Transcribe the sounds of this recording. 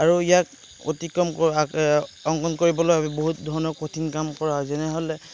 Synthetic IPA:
aɹuijak | o̰tikɹɔmkɔaɔŋkɔnkoɹibɔlojaboɦut̚dʱɔɹɔnɔpotʰinkamkɔɹaɦɔzɛnɛɦolɛ

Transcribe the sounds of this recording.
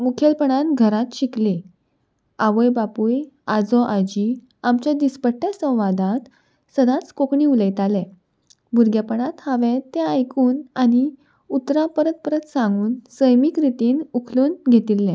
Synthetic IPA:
mukʰjelpəɳat̪ɡʱəɾat̪ɕikli | aʋəjbapujad͡zɔʔad͡ʑi | amt͡ɕjad̪ispəʈːjasə̃w̃ʋad̪ãt̪ | səd̪ãt͡skokɳiuləjt̪alɛ̃ | bʱuɾɡjapəɳat̪haʋẽt̪aajkuːnani | ut̪ɾãpəɾət̪̚pəɾət̪sãŋɡuːnsəjmikɾit̪iːnukʰluːnɡʱet̪ilːɛ̃

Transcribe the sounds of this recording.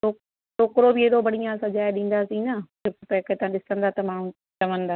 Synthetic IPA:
oː | ʈoːkɾobɪeːɗobɐɽ̤ijãsɐd͡ʑaːeɗĩːn̆d̪aːsĩnɐ | ʊkɪpɐkʰet̪ɐʋãɗɪsə̃nd̪aːt̪ɐmaːɽ̃ũ | t͡ɕɐʋə̃nd̪aː

